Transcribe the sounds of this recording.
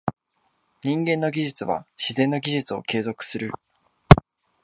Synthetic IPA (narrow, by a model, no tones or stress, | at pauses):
ɲ̟ĩŋɡẽ̞nːo̞ɡʲiʑɨt͡sɨβa̰ɕizẽ̞nːoɡʲiʑɨt͡sɨo̞̰ke̞ːzo̞kɯ̟̥sɨɾɯ̟